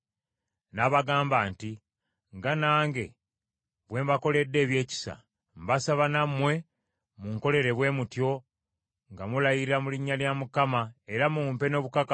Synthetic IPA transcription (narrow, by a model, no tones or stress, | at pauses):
naβaɡaːmbaːnti | ŋɡanaːŋɡe̞ | βwe̞ːmbako̞le̞dːe̞ːβje̞ːci̥sa̰ | mbasaβanamwe̞ | muŋko̞le̞ɾe̞βwe̞ːmutjo̞ | ŋɡamulajiiɾamuliɲːaljamukamae̞ɾamumpe̞no̞ːβukak